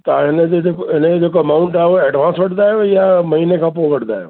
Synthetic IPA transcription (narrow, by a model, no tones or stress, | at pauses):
t̪aːɪneeoɪned͡ʒoːk̬ɐmaːʊ̃ɳʈaɦɛʋoɛːɖʋãːnsbɐɽd̪aɦɛjamɐɦiːnekapoɡɐɽd̪a̰ɛ̰